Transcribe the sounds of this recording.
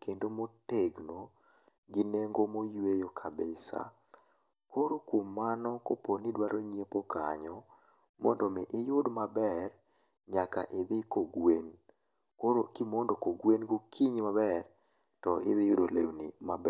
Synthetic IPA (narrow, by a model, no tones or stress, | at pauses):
kendomoteɡno | ɡɪneŋɡomojwejokʰabɪsa̰ | koɾokwomːanɔkoponidwaɾʔoɲiepoka̰ɲɔ | mɔ̰ndɔmɪʔɪjʊdmabɛr | ɲaka̰ʔɪðɪkoɡwen | koɾokimondokoɡwenɡokʰiɲmabɛr | tɔɪðɪjʊdolewnimabɛ